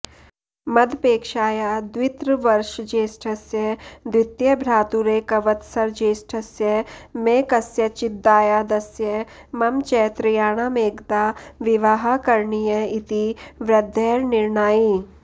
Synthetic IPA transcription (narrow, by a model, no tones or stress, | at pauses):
mɐd̪ʱpeːkʃaːjaːd̪wɪt̪ɾəʋɐɾʃd͡ʒeːsʈʰɐsjəd̪wɪt̪jəbʱɾaːt̪uɾeːkɐʋət̪sɐɾd͡ʒeːsʈʰɐsjəmeːkɐsjɐt͡ʃɪd̪ːaːjaːd̪ɐsjə | mɐmt͡ʃɛːt̪ɾɪjaːɽ̃aːmeːɡt̪aːʋɪʋaːɦakɐɾɳijəɪt̪iʋɾɐd̪ʱːɛːɾnɪɾɳaːi